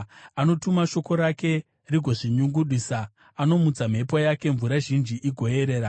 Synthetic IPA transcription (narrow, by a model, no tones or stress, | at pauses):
ano̞tumaʃo̞ko̞ɾake̞ | riɡʱo̞ʐiɲuŋɡuɗiːsa | ano̞mut͡sam̤e̞pojake̞ɱvuɾaʒind͡ʒiʔiɡʱo̞je̞ɾe̞ːɾa